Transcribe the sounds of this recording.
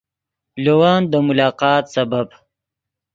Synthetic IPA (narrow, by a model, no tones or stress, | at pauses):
lowaːnd̪əmʊlɑːqɑːt̪sɐbab